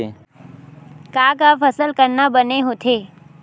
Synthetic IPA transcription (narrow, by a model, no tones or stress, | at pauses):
e | kaːkafɐsəlkəɾnabəneɦoːt̪ʰeː